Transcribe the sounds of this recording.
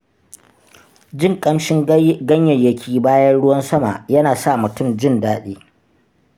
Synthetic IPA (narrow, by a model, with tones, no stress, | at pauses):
d͡ʒɪ˦˨ŋkʼɐ˦mʃɪ˦ŋɡɐ˦ɲjɐ˨jɐ˦kʲʰiː˦baː˦jɐ˦nɽʊ˦wɐ˦nsɐ˦ma̰˨jɐ˦naː˨sa˦˨mʊ˨tʊ˦˨md͡ʒɪ˦ndaː˦ɗeː˦